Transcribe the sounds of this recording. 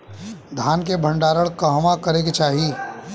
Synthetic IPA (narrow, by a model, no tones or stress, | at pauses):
d̪ʱaːnkebʱə̃ɳɖaːɾəɽkɐɦmakɐɾeket͡ʃaːɦi